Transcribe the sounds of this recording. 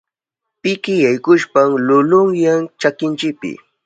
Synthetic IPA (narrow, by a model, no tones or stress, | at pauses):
pɪkɪjajkʊʃpamlʊlʊŋjaŋt͡ʃakɪnt͡ʃɪk̚pɪ̰